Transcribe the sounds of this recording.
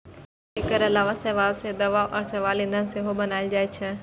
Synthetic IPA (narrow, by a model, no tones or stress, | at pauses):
eːkəɾɐlaːʋasɛːʋaːlsed̪ɐʋaːʋʔɐɾsɐʋaːlĩːnd̪ʱənɪ̆seɦobɐnaːɪld͡ʒaːet͡ʃʰe